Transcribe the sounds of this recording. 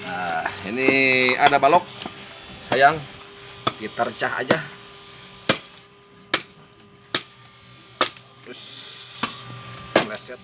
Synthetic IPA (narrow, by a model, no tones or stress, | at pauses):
ainia̰dabalɔk̚sajaŋ | ɡit̪ərt͡ʃaɦa̰d͡ʒa | t̪ɾʊs | lasa